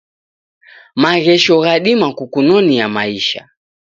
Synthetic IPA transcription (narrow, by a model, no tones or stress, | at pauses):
maɣɛʃɔɣaɗimakukunɔnijamaiʃa̰